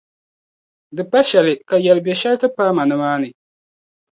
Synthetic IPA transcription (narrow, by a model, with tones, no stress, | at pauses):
dɨ˨pa˦ʃɛ˨lɨ˨ka˨jɛ˨lɨ˨bɛ˨ʃɛ˦ltɨ˦paː˦ma˨nɨ˦maː˦nɨ˨